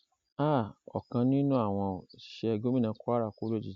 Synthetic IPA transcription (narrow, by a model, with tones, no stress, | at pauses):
a˦˨ɔ̰˨kã˧nĩ˦nũ˦a˦˨w̃ɔ̃˧o˨ʃɛ˦ɛ˧ɡo˦m˦ĩ˦nã˧˦ko˦a˦ɾa˦˨ku˦lo˦d͡ʒi˨